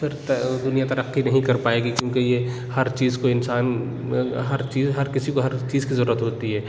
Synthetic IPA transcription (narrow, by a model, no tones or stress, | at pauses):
fɪɾt̪ɐd̪ʊnijat̪ɐɾəqːinɐɦĩkɐɾpaːeːɡikjõːkeje | hɐɾt͡ʃiːzkoɪnsaːn | ɦɐɾt͡ʃiːzɦɐɾkɪsikoɦɐɾt͡ʃiːzkizɐɾuːɾət̪ɦoːt̪iɦɛː